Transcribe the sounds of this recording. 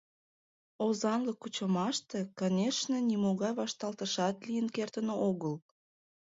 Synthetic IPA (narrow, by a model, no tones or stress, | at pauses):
ozɑnləkːut͡ɕəmɑʃt̪ekonʲeʃnənʲimoɣɑjβɑʃt̪ɑlˠt̪əʃɑt̪lijənkert̪ənooɣəl